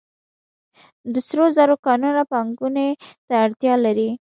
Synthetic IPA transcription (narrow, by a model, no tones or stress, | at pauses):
d̪əsɾozaɾokɑnunapɑŋɡunet̪aːɽt̪jɑlaɾi